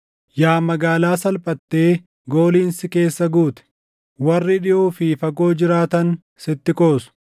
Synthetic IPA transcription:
jaːmɐɡaːlaːsɐlpʼɐt̪ːe̞ː | ɡo̞ːliːnsɪke̞ːsːɐɡuːt̪ɛ̥ | wɐrːɪᶑɪʔuːfɪfɐkʼo̞ːd͡ʒɪɾaːt̪ɐn | sɪt̪ːɪkʼo̞ːsʊ̥

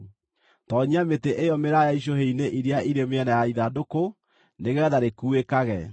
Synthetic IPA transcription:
tɔːɲiameteʔejɔmeɾajaiʃ̬oɦeineʔiɾeaʔiɾemeɛnajaiðadoko | neɣɛːðaɾekuekaɣɛ

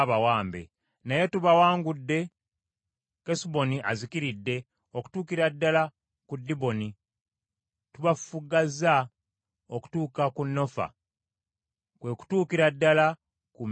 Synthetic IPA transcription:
βawaːmbe̞̰ | naje̞tuβawaːŋɡudːe̞ | kesubo̞niʔa̰zikiɾidːe̞ | oku̥tuːkiɾadːala | kudːiβo̞ni | tuβaffuɡaza | oku̥tuːkakunːo̞fa̰ | kwe̞ku̥tuːkiɾadːala | ku

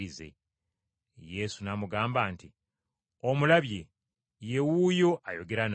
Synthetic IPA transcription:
ize̞̰ | je̞sunamuɡaːmbaːnti | omulaβje̞ | je̞wuːjo̞ajo̞ɡe̞ɾan

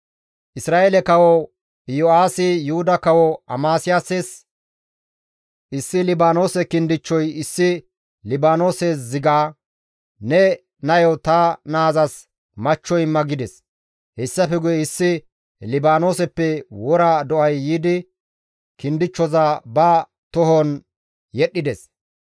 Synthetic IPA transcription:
ʔɪsɾaːʔelɛkɐwɔ | jɔaːsɪjʊhʊd̪ɐkɐwɔɐ̰maːsɪjaːses | ʔɪsːɪlɪbaːno̞ːsɛkɪnd̪ɪt͡ʃːɔjɪsːɪ | lɪbaːno̞ːseːs̬zɪɡaː | nɛ | nɐjɔt̪ɐnaːzɐs | mɐt͡ʃːɔjmːɐɡɪd̪ɛs | hɛsːɐfɛɡʊjɛɪsːɪ | lɪbaːno̞ːsɛpːɛwɔɾaːd̪ɔʔɐjːiːd̪ɪ | kɪnd̪ɪt͡ʃːɔzabɐ | t̪ɔɦɔn | jɛɗːɪd̪ɛs

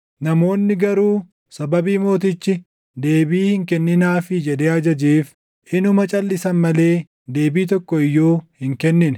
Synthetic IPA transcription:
nɐmo̞ːnːɪɡɐɾuː | sɐbɐbiːmo̞ːt̪̬ɪt͡ʃːɪ | d̪e̞ːbiːhɪŋkɛnːɪnaːfɪd͡ʒɛd̪eːɐd͡ʒɐd͡ʒiːf | ʔɪnʊmɐt͡ʃʼɐlːɪsɐnmɐle̞ː | d̪eːbiːt̪̬ɔkːɔɪjːoːhɪŋkɛnːɪn

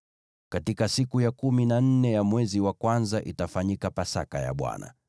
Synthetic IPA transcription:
katikasikujakuminan̩nɛjamwɛziwakwanzaʔitafaɲikapasa̰kaja̰ɓwa̰na̰

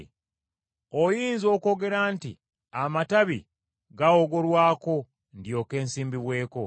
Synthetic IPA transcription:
ojiːnzo̞ːko̞ːɡe̞ɾanti | amataβi | ɡaoɡo̞ɾwaːko̞ | ndjo̞ke̞ːnsiːmbiβwe̞ːko̞

